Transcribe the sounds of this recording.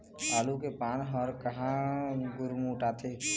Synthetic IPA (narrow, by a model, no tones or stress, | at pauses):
aːlukepaːnɦɔɾkəɦãɡʊɾmuʈaːt̪ʰe